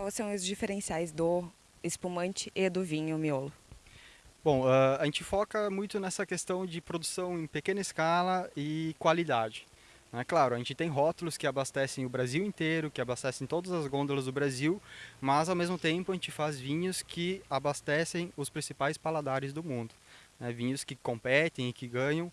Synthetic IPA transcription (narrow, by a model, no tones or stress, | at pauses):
avosɐ̃w̃ʊzd͡ʒifeɾẽsiajzd̪ʊ | ɪspumɐ̃nt͡ʃɪʔɪd̪ʊvĩɲʊmiolʊ | bõw̃aaʒẽnt͡ʃɪfɔkɐmũj̃t̪ʊnɛsɐkest̪ɐ̃w̃d͡ʒɪpɾod̪usɐ̃w̃ẽj̃pekẽnɐɪskalɐɪkwalid̪ad͡ʒɪ | nɛklaɾʊɐʒẽnt͡ʃɪ̥t̪ẽj̃ɦɔt̪ʊlʊskɪabast̪ɛsẽj̃ʊbɾaziwẽnt̪eɾʊkɪabast̪ɛsẽt̪od̪ɐzɐzɡõnd̪olɐzd̪ʊbɾaziwmɐzawmezmʊt̪ẽmpʊaɐʒẽnt͡ʃɪfazvĩɲʊskʰɪabast̪ɛsẽj̃ʊspɾĩsipajspalad̪aɾɪzd̪ʊmũnd̪ʊnɛvĩɲʊskɪkõpɛt̪ẽj̃ɪkɪɡɐ̃ɲɐ̃w̃